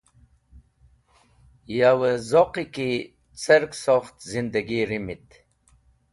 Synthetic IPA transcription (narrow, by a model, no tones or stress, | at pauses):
jawəzoqiki | t͡səɾksoχt̪zind̪əɡiɾimit̪